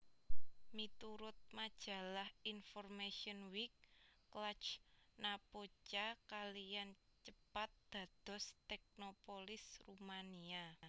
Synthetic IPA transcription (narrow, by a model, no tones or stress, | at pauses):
mit̪uɾʊt̪̚mad̥ʒ̥ä̤lahinfɔrmaʃiɔnwik̚ː | lat͡ʃnapot͡ʃakalijant͡ʃəpat̪̚d̪̥a̤d̪̥ɔ̤st̪ɛk̚nopolɪsrumania